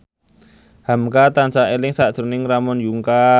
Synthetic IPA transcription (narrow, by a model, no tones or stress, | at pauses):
hamkat̪ansaʔelɪŋsad̥ʒ̥ṳnɪŋramɔnjuŋka